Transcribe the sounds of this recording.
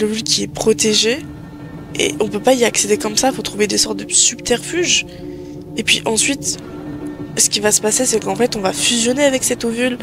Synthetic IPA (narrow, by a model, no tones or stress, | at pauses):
ləvylkʲiɛpχɔt̪eʒe | ḛɔ̃pøpaiaksed̪ekɔmsafot̪χuved̪esɔʁt̪̚d̪əsybt̪ɛʁfyʒ | epɥḭʔɑ̃sɥit̪ | sə̥kʲivasə̥pasesɛkɑ̃fɛt̪ɔ̃vafyzjɔneavɛksɛt̪ovyl